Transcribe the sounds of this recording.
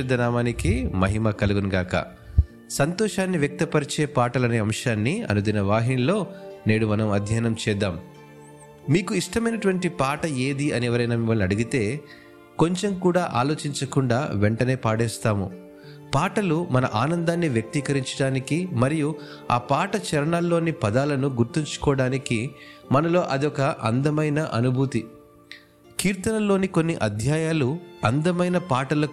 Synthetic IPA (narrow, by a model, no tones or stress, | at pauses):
ɐd̪ːɐnaːmaːnikimɐɦimakɐluɡunɡaːkɐ̰ | sɐnt̪ɔːʂaːnːiʋjɐk̚t̪ɐpɐɾit͡ʃeːpaːʈɐlɐneːɐmʂaːnːiɐ̰nud̪inɐʋaːɦinilo̞ːne̞ːɽumɐnɐmɐd̪ʱjaːnɐmt͡ʃɛːd̪aːm | miːkuiʂʈɐmɐjnɐʈuʋɐɳʈipaːʈɐe̞ːd̪iɐnɛʋɐɾɐjnaːmimɐlnɐɽuɡit̪e̞ː | ko̞ɲt͡ʃemkuːɽaːʔa̰ːlo̞ːt͡ʃiɲt͡ʃɐkuɳɖaːʋɛɳʈɐne̞ːpaːɽɛːst̪aːmṵ | paːʈɐlumɐnɐ̰ʔaːnɐnd̪aːnːiʋjɐk̚t̪ikɐɾiɲt͡ʃɐɽaːnikimɐɾiju | a̰ːpaːʈɐt͡ʃɛɾɐɳaːlːo̞ːnipɐd̪aːlɐnuɡuɾt̪iɲt͡ʃu̥kɔːɽaːnikimɐnɐlo̞ːʔɐd̪iɔkɐʔɐ̰nd̪ɐmɐjnɐʔɐnubʱuːt̪i | kiːɾt̪ɐnɐlo̞ːniko̞nːiʔɐd̪ʱjaːjaːluɐnd̪ɐmɐjnɐpaːʈɐlɐk